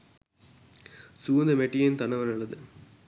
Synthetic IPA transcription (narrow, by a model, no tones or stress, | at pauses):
suːɐnd̪ɐmeʈːijent̪ɐnɐʋɐnɐɭːɐðɨ